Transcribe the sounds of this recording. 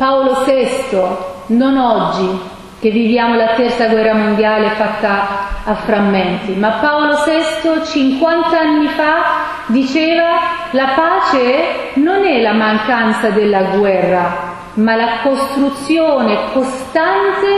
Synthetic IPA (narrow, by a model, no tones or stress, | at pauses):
paolosɛst̪ononɔd͡ʒːi | k̟evːivjaːmolat̪ɛrt̪saɡwɛrːamond̪jaːlefat̪ːaːfːɾamːɛnt̪imapːaolosɛst̪ot͡ʃiŋkwant̪aanːifa | d̪it͡ʃeːva | lapaːt͡ʃenonɛlamaŋkant̪sad̪elːaɡwɛrːa | malakost̪ɾut̪sːjoːnekost̪ant̪e